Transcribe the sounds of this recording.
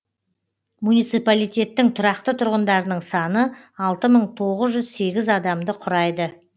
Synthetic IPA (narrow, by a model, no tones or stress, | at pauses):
munijt̪sijpalijt̪ʲe̞t̪ːɪŋt̪ʰʊɾɑqt̪ət̪ʰʊɾʁənd̪ɑɾənəɴsɑnə | ɑlˠt̪əməɴt̪ʰo̞ʁəzʒʏzse̞ɡʲɪzɑd̪ɑmd̪əqʰʊɾɑjd̪ə